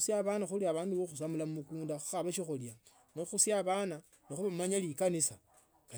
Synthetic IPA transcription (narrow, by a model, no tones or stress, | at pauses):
sjaβanaxuliaβaːnduoxus̬amulamumukuːndaxu̥xaβaʃixolja | noxusjaβana | nexuβamaɲalikanisa | ka